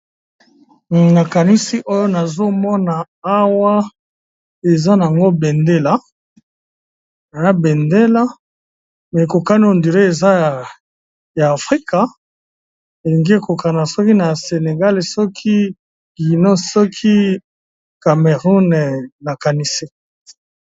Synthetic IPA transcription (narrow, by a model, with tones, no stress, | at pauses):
na˨ka˨ni˦si˦ʔo˦jo˦na˨zo˦mɔ˦na˨ | a˦wa˦ | e˨za˦na˨a˨ŋɡo˦be˨nde˦la˨˦ | na˨ja˦be˨nde˦la˦ | me˨ko˨ka˦n˦o˨ndi˨ɾe˦e˨za˦˨ | jaː˨fʁi˦ka˨ | e˨li˨ŋɡi˦e˦˨ko˨ka˨na˨sɔ˦ki˦na˨se˨ne˨ɡa˦le˨sɔ˦kʰi˦ | ɡi˨no˦sɔ˦kʰi˦ | ka˨me˨ʁu˦n˨na˨ka˨ni˦si˦